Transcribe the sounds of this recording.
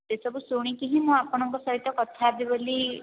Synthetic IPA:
t̪esɔbusuɽ̃ĩkiɦĩmũapɔɽ̃ɔŋkɔsɔɦit̪ːɔkɔt̪ʰaːbiboli

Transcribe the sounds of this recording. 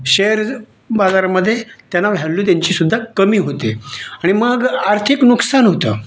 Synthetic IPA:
ɕeəɾ | bad͡zaɾaməd̪ʱːjet̪janːaʋʱjalluːt̪̬jaɲt͡ɕiːsud̪ʱːakəmiːɦot̪eaɽ̃iməɡaɾt̪ʰiknuksanɦot̪əː

